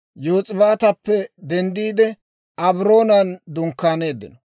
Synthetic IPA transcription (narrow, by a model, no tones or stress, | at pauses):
joːt͡sʼɪbaːt̪ɐpːɛd̪ɛnd̪iːd̪ɛ | ʔɐbɾo̞ːnɐnd̪ʊŋkːaːne̞ːd̪ːɪ̰nɔ